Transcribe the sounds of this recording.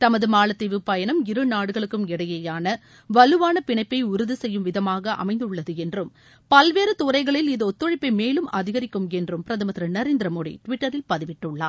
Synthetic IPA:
t̪ɐmɐðɯmaːɭɐt̪ːɪʋɯpɐjɐnɐmɪɾɯnaːɽɯɣɐɭɯkːɯmɪɽɐjɐjaːnɐ | ʋɐlɯʋaːnɐpɪɳɐɪpːɐɪʊɾɯðɯsɛjːɯmʋɪðɐmaːɣɐʔɐ̰mɐɪnd̪ɯɭːɐðɯɛndrɯm | pɐlʋeːɾɯt̪ʊɾɐɪɣɐɭɪlɪðɯɔt̪ːɯɻɪpːɐɪmeːlɯmʔɐðɪɣɐɾɪkːɯmɛndrɯmpɪɾɐðɐmɐnd̪ɾɐnɐɾeːnd̪ɪɾɐmoːɽḭʈʋɪʈːɐɾɪlpɐðɪʋɪʈːɯɭːa̰ː

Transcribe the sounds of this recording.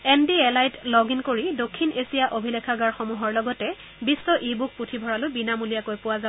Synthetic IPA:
ɛndiɛlajtlɔɡinkoɹidokʰːinʔesijaʔobʱilɛkʰaɡaɹxomuɦɔɹlɔɡɔtɛ | bisːɔʔibuk̚putʰibʱɔɹalʊjbinamulijakojpʊwaza

